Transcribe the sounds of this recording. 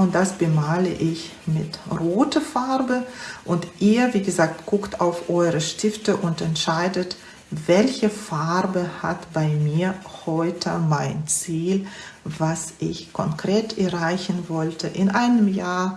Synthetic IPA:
ʊnt̚d̥asb̥əmaːləʔɪçmɪtʁoːtʰəfaɐbəʔʊntʔiːɐviːɡəzaːktɡ̥ʊktaʊfʔɔʏʁəʃtɪftəʔʊntɛntʃaɪdət | v̥ɛlçəfaʁbəha̰tb̥aɪmiːɐhɔʏtʰəmaɪnt͡siːlvasʔɪçkʰɔŋkʁ̥eːtʰɛɐʁaɪçn̩vɔltʰəʔɪnʔaɪnəmjaːɐ

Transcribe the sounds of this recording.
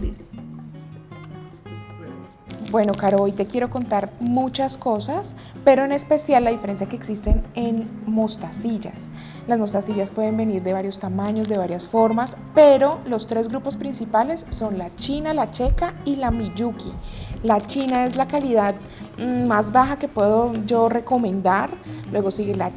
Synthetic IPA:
bwe̞no̞kaɾoojt̪e̞kje̞ɾo̞ko̞nt̪aɾmut͡ʃasko̞sas | pe̞ɾo̞ene̞spe̞sjalːaðife̞ɾe̞ns̬jakeːksist̪e̞nenmo̞st̪asiʝa̰s | lazmo̞st̪asiʝaspwe̞ð̞e̞mbe̞niɾd̪e̞βaɾjo̞st̪amaɲo̞zd̪e̞β̞aɾjasfo̞ɾmas | pe̞ɾo̞lo̞st̪ɾe̞zɡɾupo̞spɾinsipale̞sːo̞nlat͡ʃinalat͡ʃe̞kailamiʝukilat͡ʃinae̞zlakaliðað̩ | mazbaxake̞pwe̞ðo̞d͡ʒo̞re̞ko̞mẽ̞nd̪aɾlwe̞ɣo̞siɣela

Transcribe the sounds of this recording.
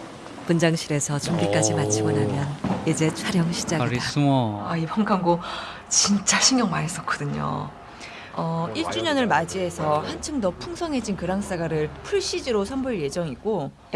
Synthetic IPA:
pund͡ʑaŋɕʰiɾe̞sʰʌt͡ɕumbik͈ad͡ʑimat͡ɕʰiɡonamjʌnid͡ʑe̞t͡ɕʰaɾjʌŋɕʰid͡ʑaɡiuŋʌaipʰaŋkʰaŋɡo | t͡ɕint͡ɕ͈aɕʰiŋjʌŋmanis͈ʌk͈ʰʌdɯɲo̰ | ʌiɭt͡ɕ͈uɲʌnɯɭmad͡ʑiɦe̞sʰʌhant͡ɕʰɯmdʌpʰuŋsʰʌŋɦe̞d͡ʑinkɯɾaŋs͈aɡaɾɯɭpʰuɭɕ͈id͡ʑiɾosʰʌmbuɭje̞d͡ʑʌŋik͈o

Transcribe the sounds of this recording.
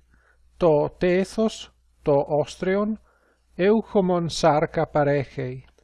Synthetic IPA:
t̪ɔt̪eːθos | t̪ɔʔɔst̪ɾeon | ewxomɔnsaɾkapaɾɛxej

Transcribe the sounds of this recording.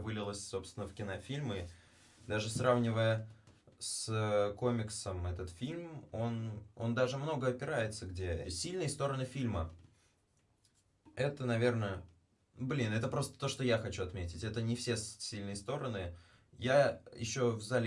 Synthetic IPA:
vɨlʲɪlˠəsʲso̞pst̪ʲvʲɪnəfkʲɪnafʲilʲmɨ | d̪aʐɨsravnʲɪvəjə | sko̞mʲɪksəmɛt̪ət̪fʲilʲmo̞no̞̰nd̪aʐɨmno̞ɡəɐpʲɪɾajɪt̪səɡdʲesʲilʲnɨjəst̪o̞ɾənɨfʲilʲmə | ɛt̪ənɐvʲe̞rnə | blʲinɛt̪əpɾo̞st̪ə̥t̪o̞ʂt̪ojaxɐt͡ɕuɐt̪mʲetʲɪtʲɛt̪ənʲɪfsʲe̞ssʲilʲnɨjəst̪o̞ɾənɨ | jajɪ̰ɕːo̞vzalʲ

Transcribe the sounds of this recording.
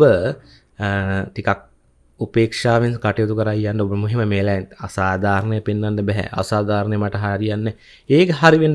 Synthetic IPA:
bə | t̪ikak̚ | upeːkʂaːʋinskaʈijot̪ukəɾaijanɖəobəmuɦiməmeːlɛna̰saːd̪ʱaːɾɐnəjəpinːanɖəbɛɦɛ̰ʔa̰saːd̪ʱaːɾɐnəjəmaʈəɦaɾijanːe | eːkəɦaɾiʋen

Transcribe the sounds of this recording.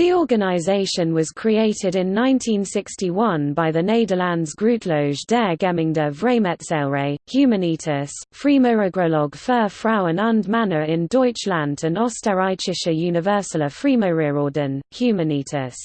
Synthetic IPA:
ðiɔːɡənaɪzeɪʃə̃nwɒz̥kʰɹ̥ieɪtʰɪdɪ̃nːãɪ̃ntʰĩnsɪkstiwʌ̃nbaɪðəneɪdəlãndzɡɹʉˑʔʰləʊʒdɛːɡɛmɪ̃ŋdəvɹeɪmɛtsɛlˠɹeɪhjʉːməniˑtʰəsfɹiːməɹəɡɹəlɒɡ̥fɜːfɹaʊə̃nə̃ndmanəɹɪ̃ndɔɪt͡ʃlãndə̃nɒstəɹaɪt͡ʃɪʃəjʉːnɪvɜˑsələ̥fɹiːməɹɪɹɔːdə̃nhjʉːməniˑtʰəs

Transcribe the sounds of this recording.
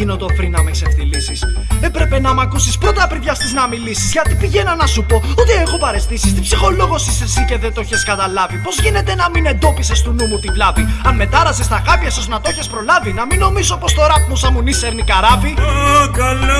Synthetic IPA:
inod̪o̞fɾinɐmeseft̪ilisis | e̞pɾe̞pe̞nɐmɐkusispɾo̞t̪ɐpɾiðʝɐst̪iznɐmilisizʝɐt̪ipiʝe̞nɐnɐsupo̞ot̪eexo̞pɐɾe̞st̪isist̪ipsixo̞lo̞ɣo̞sisesice̞ðe̞t̪oçeskɐt̪ɐlɐvipo̞zʝine̞t̪e̞nɐmine̞nd̪o̞pisest̪unumut̪ivlɐviɐnme̞t̪ɐɾɐsest̪ɐɣɐpiɐsoznɐt̪o̞çespɾo̞lɐvinɐmino̞misopo̞st̪o̞ɾɐfmosɐmuniseɾnikɐɾɐvikɐl

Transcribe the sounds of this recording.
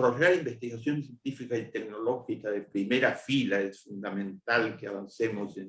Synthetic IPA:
ɾoʝaɾimbe̞st̪iɣasjonsjent̪ifikasit̪ekno̞lo̞xikaðepɾimeɾafilaesfund̪amẽ̞nt̪alkeaβansemose

